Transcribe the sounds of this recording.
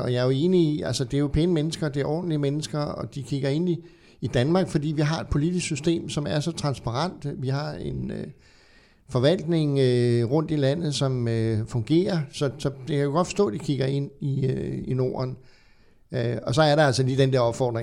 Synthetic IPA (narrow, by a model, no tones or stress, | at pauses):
ɒ̽jɑɐjoe̝ːniiʔælsəd̥e̝ɐjopʰenəmenəsɡ̥ɐd̥e̝æɐʔɒ̰ːd̥n̩liəmenəsɡ̥ɐɒ̽d̥ikʰiɡ̥ɐe̝n̰iː | d̥ænmɑ̈ːɡ̥fɒ̽d̥ḭːʋiɦɑ̈e̝d̥̚pʰo̝lidisksysd̥e̝̰ːmsɒ̽mæɐsɒ̽t͡sʰʁɑ̈nsb̥ɑ̈ʁɑn̰d̥ʋiɦɑ̈e̝nø | fɒ̽ʋæl̰d̥ne̝ŋøʁɔ̽n̰d̥ilæn̰ð̞̩ˠsɒ̽møfɔ̽ŋɡ̥e̝̰ːɐsɒ̽sɒ̽d̥e̝kʰæjoɡɒd̥fɒ̥̽sd̥ɔ̰̽ːd̥ikʰiɡ̥ɐe̝n̰iøino̝̰ːɐn | øɒ̽sɒ̽æɐɾeælsɒliːd̥end̥eɐɒ̽b̥fɒ̰ːd̥ʁeŋ